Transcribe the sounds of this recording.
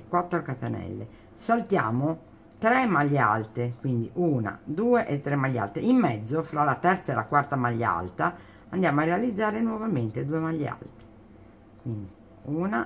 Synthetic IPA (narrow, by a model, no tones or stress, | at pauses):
kwat̪ːɾokat̪enɛ̰lːḛ | salt̪ja̰ːmo | t̪ɾemaʎːa̰lt̪ekwind̪iʔuːna̰d̪uːeʔet̪ːɾemːaʎːa̰lt̪eimːɛd̪zːofɾalat̪ɛrt̪saelakwart̪amaʎːa̰lt̪a | and̪jaːmoarːealid̪zːaːɾenwɔvament̪ed̪uːemaʎːa̰lt̪e̥ | kwind̪i | uːna